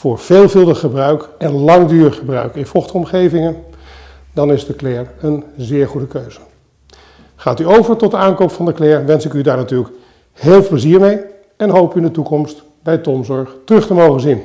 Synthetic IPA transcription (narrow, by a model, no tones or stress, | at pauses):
vʊːɹv̥eːlˠvɪlˠdəχəbrœɥkɛnlɑŋdyːɹχəbrœ̰ɥkɪnfɔχtəɔmχejvɪŋən | dɑnɪzdəklɛːɹənzɪːɹχudəkøɥz̥ə̥ | χaːtyowvəɹtɔdəaːnkowpfɑndəklɛːɹʋɛnsɪkydaːɹnatyːɹlək | heːlˠpləziːɹmej | ɛnɦowpyɪndətukɔmst | bɛjtɔmzɔɹχtərɵχtəmowχənzin